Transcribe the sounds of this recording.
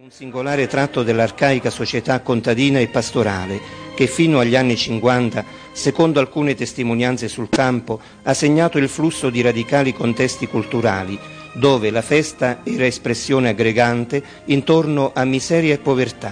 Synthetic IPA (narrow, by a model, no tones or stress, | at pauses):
unsiŋɡolaːɾet̪ɾat̪ːod̪elːarkaːjkasot͡ʃet̪akːont̪ad̪iːnaepːast̪oɾa̰ːlek̟efːiːnʊaʎːianːit͡ʃiŋkwant̪a | sekond̪oalkuːnet̪est̪imonjant̪sesulkampo | asːeɲːaːt̪oilflusːod̪iɾad̪ikaːlikont̪ɛst̪ikult̪uɾa̰ːli | d̪oːvelafɛst̪aɛːɾaespɾesːjoːnɪaɡɾeɡant̪e | int̪ornoʔamːizɛːɾjaepːovert̪a